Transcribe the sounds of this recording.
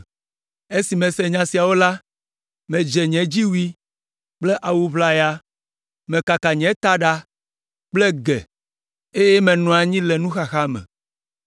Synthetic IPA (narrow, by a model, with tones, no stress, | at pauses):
e˦si˨mɛ̃˨sɛ˨ɲã˨si˨a˨wo˦la˦ | mɛ̃˨d͡ʒɛ˨ɲɛ̃˨d͡ʑi˦wu˦i˦ | k͡ple˦ʔa˨wu˨βla˨ja˦ | mɛ̃˨ka˨ka˨ɲɛ̃˨˦t̪a˦ɖa˦ | k͡plɛ˦ɡɛ̰˨ | e˦je˦mɛ̃˨nɔ̃˨a˨ɲĩ˦lɛ˨nũ˦xa˨xa˦mɛ̰̃˨